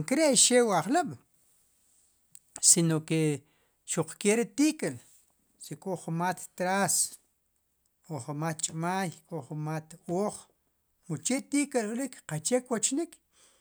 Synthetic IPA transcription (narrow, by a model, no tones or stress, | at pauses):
ŋkeɾeʃewaχlaɓ | sinoke | ʃuq͡χkeːɾit̪iːkel | sekʼoχumat̪ːɾaːs | oχumaːt̪̚t͡ʃʼmaːjkʼoχumat̪oːχ | mut͡ʃet̪ikelulikqat͡ʃekwot͡ʃnik